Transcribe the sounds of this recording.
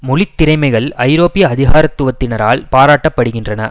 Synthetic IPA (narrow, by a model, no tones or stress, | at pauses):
mʊlɪt̪ːɪɾɐɪmɐɪɣɐɭɐɪɾoːpːɪjɐɐðɪɣaːɾɐt̪ːʊʋɐt̪ːɪnɐɾa̰ːlpaːɾaːʈːɐpːɐɽɯɣɪndrɐnɐ̰